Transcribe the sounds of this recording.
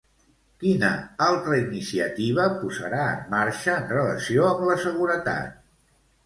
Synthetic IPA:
kinə̰alˠt̪ɾəinisiət̪iβəpuzə̰ɾaəmːaɾʃəːnrələsioəmləsəɣuɾət̪a̰t̪̚

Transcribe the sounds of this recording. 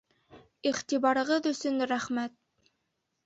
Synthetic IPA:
iχt̪iβɑɾɤ̆ʁɤðɵ̆sɵnɾæχmæt̪̚

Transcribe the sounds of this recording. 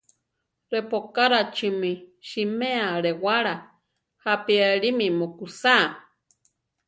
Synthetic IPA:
ɾepokaɾat͡ʃimĩʃimẽaɾewaɾa | hapieɺimĩmokusa

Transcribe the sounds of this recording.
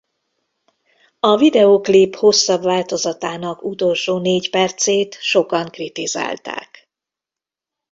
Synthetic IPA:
ɒvid̪ɛoklipho̞sːɒbvaːlt̪o̞zɒt̪aːnɒkut̪o̞lʃoːneːcpɛrt̪seːt̪ʃo̞kɒŋkrit̪iza̰ːlt̪a̰ːk

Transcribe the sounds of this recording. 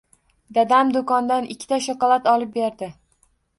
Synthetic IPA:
d̪ad̪amd̪okɒnd̪anɪkʲʰːɪ̥t̪ʰaʃɒqɒlˠat̪ɒlˠɪp̚beɾd̪ɪ

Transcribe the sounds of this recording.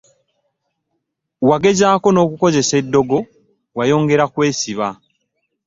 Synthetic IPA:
waɡe̞zaːko̞no̞ːkuko̞ze̞sedːo̞ɡo̞ | wajo̞ːŋɡe̞ɾakwe̞ːsiβa

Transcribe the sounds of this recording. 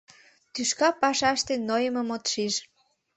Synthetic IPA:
t̪yʃkɑpɑʃɑʃt̪enojəməmot̪ʃiʃ

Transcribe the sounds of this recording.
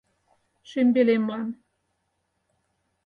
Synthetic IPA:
ʃembelemlɑn

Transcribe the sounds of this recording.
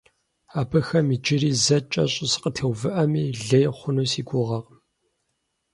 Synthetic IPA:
aːbɐxɐmiːd͡ʒɪɾiːzɐt͡ʃʼɐ̰ɕʼɪsqətʰewvɨʔɐmiːɮɐjχʷʊnuːsiːɡʷʼʊʁɐq

